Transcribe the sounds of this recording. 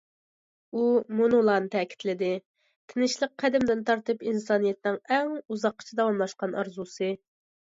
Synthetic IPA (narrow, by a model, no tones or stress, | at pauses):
umunulˠɑnt̪ʰɛkʲʰi̥t̪lɪd̪ɪ | t̪ʰɪnɪʃlˠəq̚ʰːæd̪ɪmd̪ɪnt̪ʰɑɾt̪ɨpinsɑnijɛt̪̚nɪŋɛŋuzɑqːə̥t͡ʃʰid̪ɑwɑmlˠɑʃqɑnʔɑɾzusɨ